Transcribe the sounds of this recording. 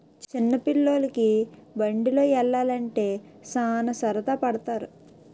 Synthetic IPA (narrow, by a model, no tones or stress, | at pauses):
t͡ʃt͡ʃinːɐpilːo̞ːlɐkibɐɳɖilo̞ːɛɭːaːlɐɳʈe̞ː | saːnɐsɐɾɐt̪aːpɐɽɐt̪aːɾu